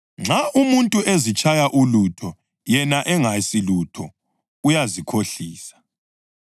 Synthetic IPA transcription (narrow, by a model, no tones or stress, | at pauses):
ŋ͡ǁʱaʔumuntʼuʔezit͡ʃʼajaʔulutʰɔ | jɛnaʔɛŋasilutʰɔ | ujazikʰoɬiːsḁ